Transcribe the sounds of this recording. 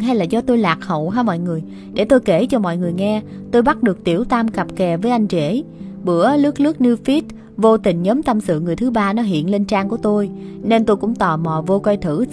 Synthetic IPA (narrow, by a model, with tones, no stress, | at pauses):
ɦa˧jlaː˨˩zɔ˧t̪o˧jlaː˨˩k̚hə̰˧˨wɦaː˧mɔ̰˧˨jŋɨ˨˩əj | ɗe˧˩t̪o˧jke˧˩t͡ɕɔ˧mɔ̰˧˨jŋɨ˨˩əjŋɛ˧ | t̪o˧jɓa˦˥t̚ɗɨ˨˩ək̚t̪i˧˩əwt̪aː˧mka˨˩p̚kɛ˨˩vəː˨˦jʔa˧jŋ̟t͡ɕe˧˩ɓɨ̰˧˩əlɨ˦˥k̚lɨ˦˥ək̚nɨ˧fi˦˥t̚ | vo˧t̪ï˨˩ŋ̟ɲəː˨˦mt̪ə˧msɨ̰˧˨ŋɨ˨˩əjt̪ʰɨ˨˦ɓaː˧nɔ˨˦ɦḭ˧˨ənle˧nt͡ɕaː˧ŋku˧˩ət̪o˧jne˧nt̪o˧jkʊ̰˧˥ŋ͡mt̪ɔ˨˩mɔ˨˩vo˧kwa˧jt̪ʰɨ̰˧˩